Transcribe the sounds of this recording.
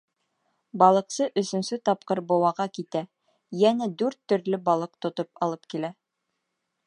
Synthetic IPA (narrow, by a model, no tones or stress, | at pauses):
bɑlˠɤ̆qsɤʔɵ̆sɵ̆nsɵt̪ɑp̚qɤɾbŏwɑʁɑkit̪æ | jænæd̪ʉɾt̪ːɵ̆ɾlɵbɑlˠɤq̚t̪ŏt̪opɑlˠɤpkilæ